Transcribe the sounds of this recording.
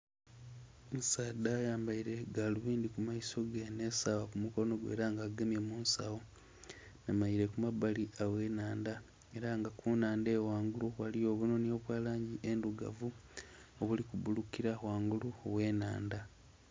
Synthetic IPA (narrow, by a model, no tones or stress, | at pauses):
nsaːdajaːmbaiɾe̞ɡaluβiːndikumaiso̞ɡenesawakumuko̞no̞ɡwe̞̰ːɾaŋɡaːɡemje̞muːnsa̰wo̞ | namaiɾe̞kumabaliawe̞naːnda | e̞ɾaŋɡakunaːndewaːŋɡuluwalijo̞βuno̞nio̞βwaːlaːɲɟiʔe̞nduɡa̰vuoβulikuβulukiɾawaːŋɡuluowe̞ːnaːnda